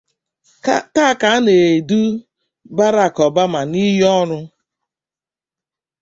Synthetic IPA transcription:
ta˦ka˨˦a˦ne˨du˦ | ba˦ɾa˨kɔ˨ba˦ma˨ni˦ɦɔ˦ɾʊ˦

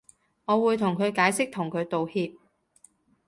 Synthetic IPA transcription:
ŋɔː˨˧wuː˨˧jt̪ʰʊ˨˩ŋkʰɵ˨˧ɥkaː˨˥jsɪ˥k̚t̪ʰʊ˨˩ŋkʰɵ˨˧ɥt̪o˨whiː˧p̚

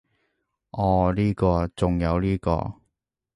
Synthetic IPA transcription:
ʔɔː˨˩liː˥kɔː˧t͡sʊ˨ŋjɐ˨˧wliː˥kɔ̰ː˧

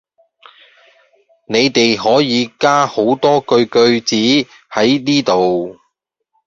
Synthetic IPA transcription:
ne˨˧jt̪e˨jɦɔː˨˥jiː˨˧kaː˥ho˨˥wt̪ɔː˥kɵ˧ɥkɵ˧ɥt͡siː˨˥ | hɐ˨˥jniː˥t̪o˨w

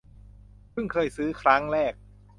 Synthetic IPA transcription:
pʰɯ˥˩ŋkʰɤː˧jsɯː˦˥kʰɾa˦˥ŋɾɛː˥˩k̚

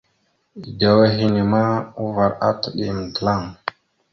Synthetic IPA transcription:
i˨da˨we˦ɦi˦ni˨ma˦u˦va˨ɾa̰˦tə˨ɗi˨m˨də˨la˦˨ŋ

